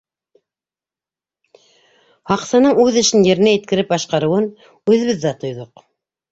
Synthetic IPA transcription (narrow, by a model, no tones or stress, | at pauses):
hɑqsɑnɤɴʉðɘ̆ʃɘnjɘ̆ɾɘ̆næjɘ̆t̪̚kɘ̆ɾɘp̚bɑʃqɑɾɤ̆wɤn | ʉðɘ̆βɘðːæt̪ŏjðoq